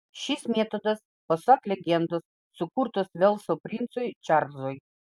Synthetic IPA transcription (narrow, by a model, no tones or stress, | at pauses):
ʃʲismʲeɛt̪od̪ɐs | pɐsɑklʲɛɡʲɛnd̪osːʊkuɾt̪osʋʲɛlˠsopʲɾʲint̪sojt͡ʃʲɑɾzoj